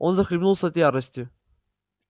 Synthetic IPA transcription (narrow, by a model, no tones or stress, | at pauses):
onzɐxɾʲɪbnulˠsɐt̪jaɾəsʲtʲʊ